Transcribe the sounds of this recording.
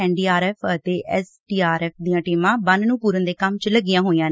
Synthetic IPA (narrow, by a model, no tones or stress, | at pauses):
ɛːɳɖiːaːɾɛːpʰət̪eːʔɛːsʈiːaːɾɛːpʰd̪iːjãːʈiːmãːbənnũːpuːɾənd̪eːkəmt͡ʃləɡɪjãːɦoːĩjãːn